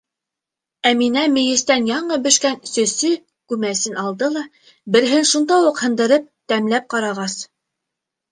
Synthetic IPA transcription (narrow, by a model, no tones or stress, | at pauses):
æminæmɘ̆jɘ̆st̪ænjɑɴɤbɵ̆ʃkænsɵ̆sɵ | kʉmæsɘnɑlˠd̪ɤlˠɑ | bɘ̆ɾɦɘnʃund̪ɑwuqhɤ̆nd̪ɤ̆ɾɤp̚t̪æmlæp̚qɑɾɑʁɑs